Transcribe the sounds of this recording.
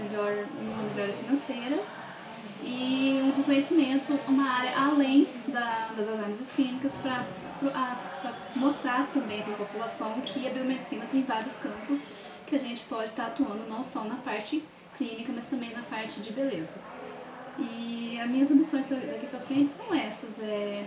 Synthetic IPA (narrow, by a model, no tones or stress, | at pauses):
meʎɔɾũmɐmeʎɔɾjɐfinɐ̃sejɾɐ | ɪʊdɪkõɲesimẽnt̪ʊũmɐaɾʲɐʔalẽj̃ | d̪ɐd̪ɐzalɐmizɐsklĩnikɐspɾɐ | pɾoʔapɾɐ | most̪ɾaɾt̪ɐ̃mbẽj̃pɾɐpopulasɐ̃w̃kʰɪɐbiomed͡ʒisĩnɐt̪ẽj̃vaɾjʊskɐ̃mpʊs | kɪaʒẽnt͡ʃɪ̥pɔd͡ʒɪst̪aɾat̪uɐ̃nd̪ʊnɐ̃w̃sɐ̃w̃nɐpaɾt͡ʃɪ | klĩnikɐmɐst̪ɐ̃mbẽj̃nɐpaɾt͡ʃɪd͡ʒɪbelezɐ | ɪɐzmĩɲɐzɐ̃mbisõj̃spɐd̪akipɾɐfɾẽnt͡ʃɪ̥sɐ̃w̃ɛsɐzɛ